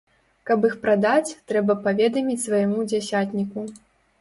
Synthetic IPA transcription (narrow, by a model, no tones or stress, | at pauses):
kɐp̬ixpɾad̪at͡sʲt̪ɾɛbɐpavʲɛd̪ɐmʲit͡sʲsvajamud͡zʲasʲat̪ʲnʲiku